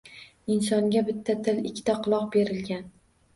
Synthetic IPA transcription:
ɪnsɒŋɡʲabɪt̪ʰːat̪ʰɪlɪkʲʰːɪ̥t̪ʰaqʰʊlˠɒqbe̞ɾɪlɡʲan

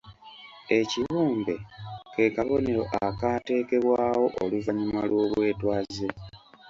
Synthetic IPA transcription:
e̞ciβuːmbe̞ke̞ːkaβo̞neɾo̞ʔakaːte̞ːke̞βwaːwo̞ʔoluvaɲimalwo̞ːβwe̞ːtwaːze

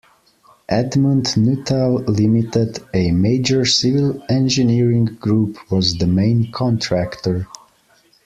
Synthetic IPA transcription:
ʔædmũndnutʰalˠlɪmitɪdɨmeɪd͡ʒə˞sɪvɪlˠɛ̃nd͡ʒɨniɹɪ̃ŋɡɹupʰwɔzðəmẽɪ̃nkʰɔ̃ntʰɹæktə˞

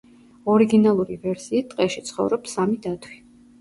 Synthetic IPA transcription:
ɔɾiɡinalˠuɾivɛɾsiːt̪ʼqʼɛʃit̪sʰχɔ̰vɾɔpsamid̪at̪ʰwi

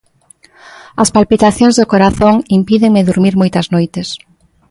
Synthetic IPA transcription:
ɐspalpit̪aθjõŋzðʊkoɾaθoŋimpiðeŋmɪðuɾmiɾmojt̪ɐznojt̪es

